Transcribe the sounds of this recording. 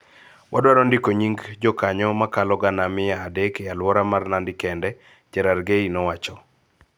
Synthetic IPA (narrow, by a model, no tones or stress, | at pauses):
wʔadwaɾɔndɪkoɲiŋɡd͡ʒɔkaɲɔmakalɔɡanamɪjaːdɛkjalwɔɾamarnandɪkɛndɛ | t͡ʃɛɾarɡeinɔwat͡ʃɔ